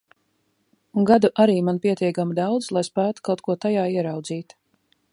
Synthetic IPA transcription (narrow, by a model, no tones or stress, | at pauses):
uŋɡad̪uʔaɾiːmanpʲiɛt̪ʲiɛkamd̪awd̪zlˠajspæːt̪u̥kawt̪̚kuɔt̪ajaːiɛɾɑwd̪ziːt̪